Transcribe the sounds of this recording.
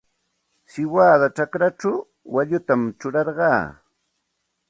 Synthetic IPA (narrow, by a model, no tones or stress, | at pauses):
sɪwaːðat͡ʃakɾaʈ͡ʂaw | waʎʊt̪amt͡ʃʊɾɑɾɢɑː